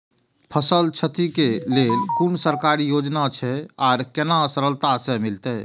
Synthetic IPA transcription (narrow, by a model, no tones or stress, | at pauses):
pʰəsəlt͡ʃʰət̪ikelelkunsəɾkaɾijod͡ʒnat͡ʃʰɛaɾkenasəɾəlt̪asẽmilt̪ə